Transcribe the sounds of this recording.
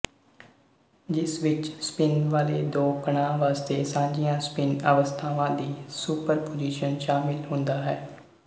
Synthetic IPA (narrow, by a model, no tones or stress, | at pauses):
d͡ʒɪsʋɪt͡ʃspɪnʋaːleːd̪oːkəɳ̃ãːʋaːst̪eːsãːɲd͡ʒijãːspɪnə̰ʋəst̪ʰaːʋãːd̪iːsuːpəɾpoːd͡ʒiːʃənʃaːmɪlɦʊ̃nd̪aːɦɛː